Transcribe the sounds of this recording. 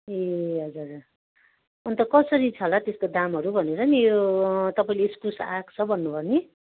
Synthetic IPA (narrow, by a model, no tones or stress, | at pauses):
eɦʌd͡zur | ʌnt̪ʌkʌsʌɾit͡sʰʌlat̪eskod̪amɦʌɾubʱʌneɾʌnijot̪ʌpaĩleiskusakt͡sʰʌbʱʌnːubʱʌrni